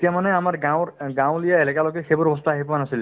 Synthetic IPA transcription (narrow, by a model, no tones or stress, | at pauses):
t̪ijamanɛamaɹɡawɡãw̃lijaelɛkalɔɡɛxebɔɹɔbɔst̪ʰaaɦipɔanasilɛ